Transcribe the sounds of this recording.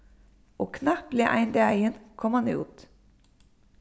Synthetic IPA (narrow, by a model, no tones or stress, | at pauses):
oːkʰnɑpleːʔæ̰ɪnd̪eæɪənkʰɔmɑnɪ̰ṵːt̪